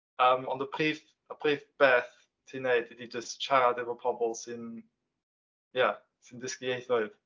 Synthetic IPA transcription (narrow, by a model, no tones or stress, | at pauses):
əmɔ̰nðəbʰriːf | əbʰriːfb̥ɛθ | tʰiːnejdɪdid͡ʒəst͡ʃʰaɾadɪvɔpʰɔbɔlˠsɪn | ja | sɪndɪskiejθɔɨd̥